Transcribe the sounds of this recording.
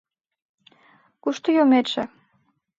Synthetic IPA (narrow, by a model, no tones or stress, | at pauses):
kuʃt̪ojomet͡ʃĕ